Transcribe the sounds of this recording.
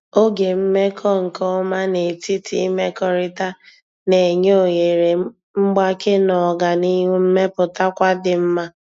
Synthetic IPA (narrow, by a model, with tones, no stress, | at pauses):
o˦ɡe˨m̩˦me˦kʰɔ˦ŋ̩˨kɔ˦ma˦ne˨ti˦tʰi˦me˦kɔ˨ɾɪ˦ta˦ | ne˨ɲo˨je˨ɾe˨ | m̩˦ɡ͡ba˦ke˦nɔ˨ɡa˨ni˦ɦu˦m̩˦me˦pʊ˨ta˦kʷa˦dɪ˨m̩˦ma˦